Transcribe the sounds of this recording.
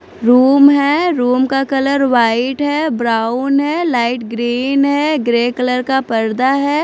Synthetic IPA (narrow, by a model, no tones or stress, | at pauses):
ɾuːmɦɛːɾuːmkakɐləɾʋaːɪʈɦɛːbɾaːʊnɦɛːlaːɪʈɡɾiːnɦɛɡɾeːkələɾkapɐɾd̪aɦɛː